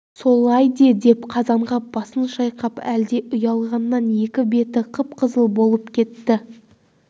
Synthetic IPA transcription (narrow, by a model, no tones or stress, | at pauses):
so̞lˠɑjd̪ed̪e̞pqʰɑzɑɴʁɑpb̥ɑsənʃɑjqɑpæld̪e̞ʔʊjɑlˠʁɑnːɑnje̞kʲɪbe̞t̪ɪqʰəp̚qʰəzəlˠbo̞lˠəpkʲʰe̞t̪ːɪ